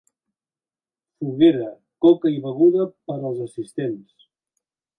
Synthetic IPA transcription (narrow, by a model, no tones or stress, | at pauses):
fuɣeɾə | kɔkəiβəɣ̞uðəpəɾəlˠzəsist̪ens